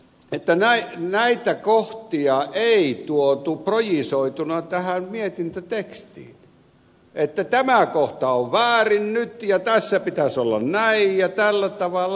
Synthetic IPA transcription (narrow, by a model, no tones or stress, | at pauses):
et̪ːænæinæit̪ækoht̪iɑʔeit̪uot̪uprojisoit̪unɑt̪æhæmmiet̪int̪øt̪ekst̪ḭːn | et̪ːæt̪æmækoht̪ɑoʋʋæːrinnyt̪jɑt̪æsːæpit̪æsolːɑ̰nnæijjɑt̪ælːæt̪ɑʋɑlːɑ